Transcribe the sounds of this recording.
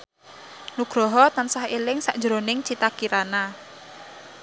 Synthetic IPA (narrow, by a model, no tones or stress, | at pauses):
nuɡ̥ɾɔɦɔt̪ansahelɪŋsaʔd̥ʒɾonɪŋt͡ʃit̪akiɾana